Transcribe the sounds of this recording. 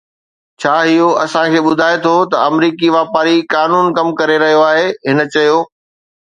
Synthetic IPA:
t͡ɕʰaːɦɪɦoɐsãkʰeːɓʊd̪ʱaːet̪ʰot̪ɐɐmɾiːkiʋaːpaːɾikaːnuːnkɐmkɐɾeɾɐɦijoaːɦeɦɪnət͡ɕɐɦijoː

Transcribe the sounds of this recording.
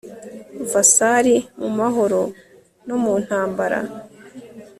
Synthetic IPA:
vasaɾimumaɦo̞ɾo | nomuːn̥haːmbaɾa̰

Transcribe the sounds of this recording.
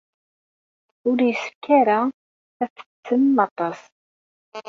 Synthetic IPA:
ʊɾjəsə̥kːæɾa | æθə̥t͡sːəmːɑt̪ˤɑs

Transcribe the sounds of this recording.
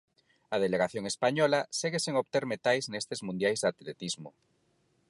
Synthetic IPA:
að̞eleɣaθjoŋespaɲɔlaseɣeseŋoβt̪eɾmet̪ajznest̪ezmũnd̪jajzðat̪let̪izmo

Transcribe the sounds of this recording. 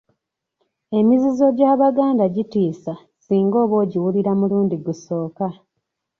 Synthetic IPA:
e̞mizizo̞ɟaːβaɡaːndaɟitiːsa | siːŋɡo̞ːβo̞ːɟiwuliɾamuluːndiɡuso̞ːka

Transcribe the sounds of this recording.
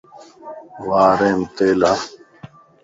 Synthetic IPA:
ʋaːɾeːmt̪eːla

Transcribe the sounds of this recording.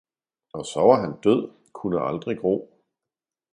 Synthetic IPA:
ɒ̽sɒʊɐɦænd̥øð̞̰ˠ | kʰunəʔɑld̥ʁiɡ̥ʁo̝̰ː

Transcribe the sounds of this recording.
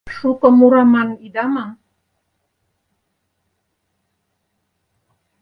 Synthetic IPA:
sukəmuɾamanidamaŋ

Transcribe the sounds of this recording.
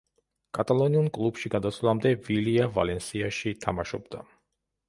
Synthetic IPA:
kʼat̪ʼalˠɔniunkʼlˠubʃiɡad̪at̪sʰlˠamd̪ɛviliava̰lɛnsiaʃiːt̪ʰamaʃɔbd̪a

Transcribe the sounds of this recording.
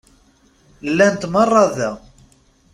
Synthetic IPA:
lːænt̪mɑrˤːɑðæ

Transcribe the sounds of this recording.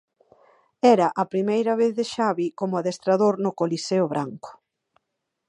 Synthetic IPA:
ɛɾɐʔɐpɾimejɾɐβ̞eθðeʃaβikomʊaðest̪ɾaðoɾnʊkoliseʊβɾaŋkʊ̥

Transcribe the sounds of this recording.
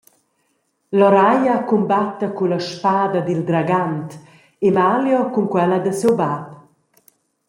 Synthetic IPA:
lɔɾajakumbat̪ːɐkulaʃpaːd̪ɐd̪ild̪ɾaɡant̪ | emaljɔkuŋkwɛlad̪əsewbap

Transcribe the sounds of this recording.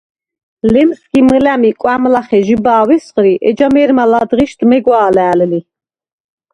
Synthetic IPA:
lɛmsɡiməlæmikʼwamlaχɛʒibaːwɛsχɾiʔɛ̰d͡ʒamɛːɾmalad̪ʁiʃt̪mɛɡʷwaːlæːlli

